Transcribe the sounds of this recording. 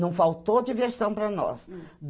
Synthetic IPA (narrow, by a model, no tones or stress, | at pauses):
ɐ̃w̃fawt̪oɐkiveɾsɐ̃w̃pɾɐnɔ̰sd̪